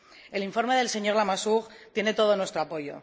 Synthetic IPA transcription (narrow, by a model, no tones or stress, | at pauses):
e̞liɱfo̞ɾme̞ðe̞lse̞ɲo̞ɾlamasuɣt̪je̞ne̞t̪o̞ð̞o̞nwest̪ɾoapo̞jo̞̰